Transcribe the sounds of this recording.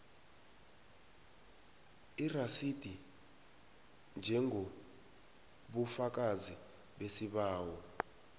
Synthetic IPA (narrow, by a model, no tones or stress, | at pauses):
irasid̥ʱi | nd͡ʒʱɛŋɡʱo | ɓufak̬ʼazi | ɓesiɓaːwɔ